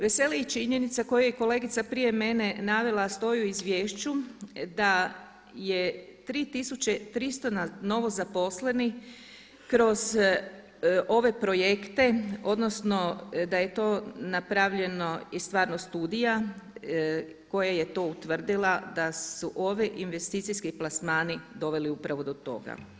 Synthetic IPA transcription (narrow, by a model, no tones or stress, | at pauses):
ʋe̞se̞liit͡ʃiɲe̞nit̪sako̞jujeko̞le̞ɡit̪sapɾije̞me̞ne̞naʋe̞lˠast̪o̞juizʋje̞ːʃt͡ɕud̪a | je̞t̪ɾiːt̪isut͡ɕe̞t̪ɾist̪onano̞ʋo̞zapo̞sle̞ni | kɾo̞z | ʔo̞ʋe̞pɾo̞jekt̪e̞o̞d̪nosno̞d̪aje̞t̪o̞ːnapɾaʋʎe̞no̞ist̪ʋaːɾnost̪uːd̪ija | ko̞jaje̞t̪o̞ut̪ʋr̩d̪ilˠad̪asuʔo̞ʋiʔinʋe̞st̪iːt̪sijskiplˠasmaːnid̪o̞ʋe̞liupɾaʋo̞d̪o̞t̪o̞̰ɡa̰